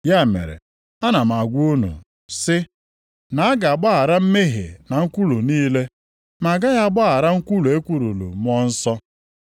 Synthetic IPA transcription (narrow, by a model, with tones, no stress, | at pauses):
ja˦˨mḛ˨ɾḛ˨ | a˦na˨m̩˨a˨ɡʷu˦nṵ˨ | sɪ˦ | na˨a˦ɡa˨a˨ɡ͡ba˦a˨ɾa˦m̩˦me˦ɦḛ˨na˨ŋ̩˦kʷu˦lu˨niː˦le˦ | ma˨ɡa˦ja˦˨ɡ͡ba˦a˨ɾa˦ŋ̩˦kʷu˦lu˨e˦kʷu˦˨ɾu˨lṵ˨m˦ɔ˦n̩˦sɔ˦